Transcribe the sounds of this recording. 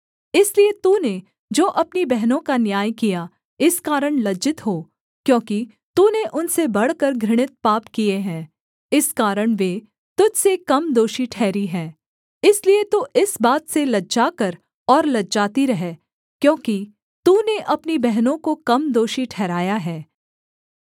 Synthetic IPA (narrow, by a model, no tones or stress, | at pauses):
ɪsliet̪uːne | d͡ʒoːʔɐpnibɛɦnõkanjaːjkija | ɪskaːɾəɽ̃lɐd͡ʒɪt̪ɦoː | kjõːki | t̪uːneʔʊnsebɐɽkəɾɡʱɾɪɽ̃ɪt̪̚paːpkieɦɛ̃ː | ɪskaːɾəɽ̃ʋeː | t̪ʊd͡ʒʱsekɐmd̪oːʃiʈʰɛːɾiɦɛ̃ː | ɪsliet̪oʔɪsbaːt̪selɐd͡ʒaːkɐɾ | ɔːɾlɐdd͡ʒaːt̪iɾɐɦɛː | kjõːki | t̪uːneʔɐpnibɛɦnõkokɐmd̪oːʃiʈʰɛːɾaːjaɦɛː